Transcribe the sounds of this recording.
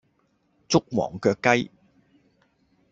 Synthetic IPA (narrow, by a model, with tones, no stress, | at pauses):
t͡sʊ˥k̚wɔ̰ː˨˩ŋkœː˧kːɐ˥j